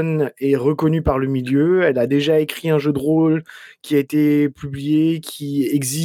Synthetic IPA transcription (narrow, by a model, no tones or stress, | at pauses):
nɛʁəkɔnypaʁləmiljøɛlad̪eʒaekχiɛ̃ʒød̪ʁolkʲiaet̪epʰyblijekʲʰiɛɡzi